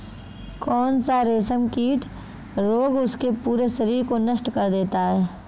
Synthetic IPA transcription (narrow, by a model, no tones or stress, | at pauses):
kɔːnsaɾeːsəmkiːʈʰ | ɾoːɡʊskepuːɾeʃɐɾiːɾkonɐʃʈkɐɾd̪eːt̪aɦɛː